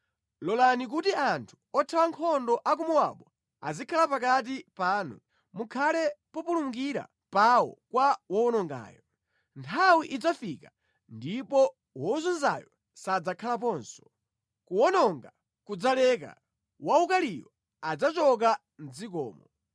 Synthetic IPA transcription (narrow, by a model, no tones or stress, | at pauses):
lɔlanik̬utiantʰu̥ɔtʰawaŋkʰɔndɔʔak̬umuwa̰ɓɔ | azikʰalapakat̬ipaːnu | mukʰalɛpɔpuluŋɡiɾa̰ | pawɔ̰kwawɔɔnɔŋɡa̰ːjɔ | ntʰawiʔid͡zafika | ndipɔ | wɔzɔnza̰jɔ | sad͡zakʰalap̬ɔːnsɔ̥ | kuwɔnɔŋɡa | kud͡zalɛk̬a̰ | waukalijɔ | ad͡zat͡ʃɔk̬a | n̩d͡zik̬ɔ̰ːmɔ